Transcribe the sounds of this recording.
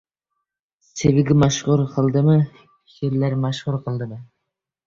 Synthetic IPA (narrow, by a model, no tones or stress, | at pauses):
sevɪɡʲɪmaʃʁʊɾqʰɨlˠd̪ɪmɪ | ʃeɾlæɾmaʃχʊɾqʰɨlˠd̪ɪmɪ